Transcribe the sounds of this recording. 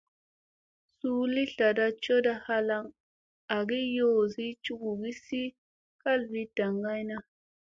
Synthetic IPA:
su˦li˦ɬa˨da˦t͡ʃo˦da˦ha˦la˦ŋ | a˨ɡi˦jo˦˨zi˦t͡ʃu˦ɡu˨ɡi˦si˦ | ka˦lvi˦d̥a˨ŋɡa˦jna˦

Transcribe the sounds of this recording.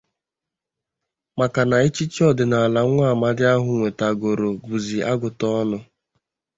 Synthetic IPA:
ma˨ka˨na˨e˦t͡ʃi˦t͡ʃi˦ɔ˦dɪ˨na˨la˨˦ŋʷ˦a˦˨ma˦dɪ˦a˦ɦʊ˨ŋʷe˨ta˨ɡo˨ɾo˨ɡu˨zi˨ʔa˦ɡʊ˨tɔ˦nʊ˦

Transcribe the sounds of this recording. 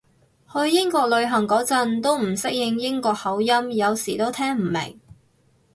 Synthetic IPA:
hɵ˧ɥjɪ˥ŋkɔː˧k̚lɵ˨˧ɥɦɐ˨˩ŋkɔː˨˥t͡sɐ˧nt̪o˥wm̩˨˩sɪ˥k̚jɪ˧ŋjɪ˥ŋkɔː˧k̚hɐ˨˥wjɐ˥mjɐ˨˧wsiː˨˩t̪o˥wt̪ʰɛː˥ŋm̩˨˩mɪ̰˨˩ŋ

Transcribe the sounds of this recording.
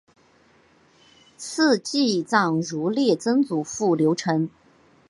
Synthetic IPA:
s̩ʰ˥˧t͡ɕi˥˧t͡sɑ˥˩ŋɻu˧˥ljɛ˥˩t͡sə˥ŋt͡su˨˩fu˥˩ljo˧˥ʊʈ͡ʂʰɤ˧˥ŋ

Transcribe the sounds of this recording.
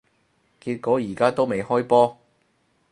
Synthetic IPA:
kiː˧t̚kɔː˨˥jiː˨˩kaː˥t̪o˥wme˨jhɔː˥jpɔː˥

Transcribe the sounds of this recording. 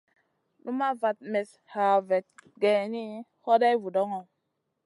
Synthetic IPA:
nu˦ma˦va˨t̚mɛ˨s | ha˨vɛ˨t̚ɡɛ˨ni˦hɔ˦da˦vu˨dɔ˦ŋɔ˦˨

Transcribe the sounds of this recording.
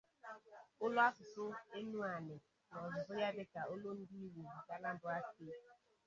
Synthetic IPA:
ʊ˦lʊ˦a˦sʊ˨sʊ˦e˦nu˦a˨nɪ˨ | nɔ˨zʊ˨zʊ˦ja˦dɪ˦ka˨o˦lo˦n̩˦di˦i˦we˨ka˦na˦dʊ˦a˦kɪ˦

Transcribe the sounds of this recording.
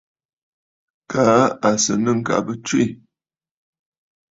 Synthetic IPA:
kʰa˨˦a˨sə˨nə˦˨ŋ̩˨ka̰˨bə˦t͡ʃwi˦˨

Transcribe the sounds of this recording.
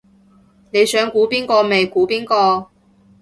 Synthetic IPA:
ne˨˧jsœː˨˥ŋkuː˨˥piː˥nkɔː˧me˨jkuː˨˥piː˥nkɔː˧

